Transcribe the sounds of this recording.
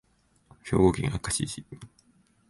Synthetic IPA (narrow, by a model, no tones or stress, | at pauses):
ço̞̰ːɡo̞ːkʲĩŋakːaɕiːɕi